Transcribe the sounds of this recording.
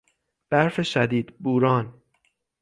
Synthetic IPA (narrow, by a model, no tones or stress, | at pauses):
b̥æɾfeʃæd̪iːd̪buːɾɒːn